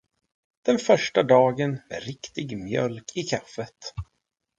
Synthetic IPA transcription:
d̪̥ɛnfœʂʈad̪ɑːɡənɛ̰ɾɪkt̪ɪɡmjœ̰lkʰɪkʰafːət̪

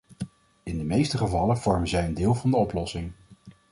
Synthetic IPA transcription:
ɪndəmejstəχəvɑləv̥ɔɹmənzɛjəndɪːlˠvɑndəɔplɔsɪŋ

